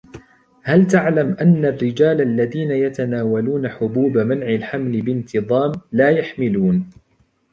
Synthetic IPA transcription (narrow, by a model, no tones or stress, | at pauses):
halt̪aʕlamʔanːarːɪd͡ʒaːlʔalːaðiːnajat̪anaːwaluːnaħʊbuːbamanʕɪlħamlɪbɪnt̪ʰɨðˤɑːmlaːjaħmɪluːn